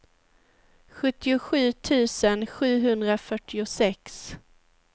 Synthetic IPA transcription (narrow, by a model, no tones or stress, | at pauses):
ɧɵt̪ːɪʊɧʉ̟ːt̪ʰʉ̟ːsənɧʉ̟ːɦɵnd̪ɾafœʈːɪʊsɛks